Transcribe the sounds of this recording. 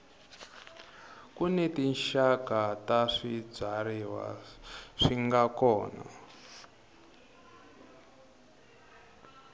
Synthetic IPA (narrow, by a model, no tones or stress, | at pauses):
kunetinʃakataʂid͡zaɾiwa̰ʂiŋɡakɔːna̰